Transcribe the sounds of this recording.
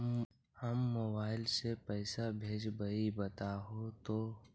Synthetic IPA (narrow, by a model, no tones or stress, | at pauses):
həmːoːbaːɪlsepɛːɪsabʱeːd͡ʒbəibət̪aɦot̪oː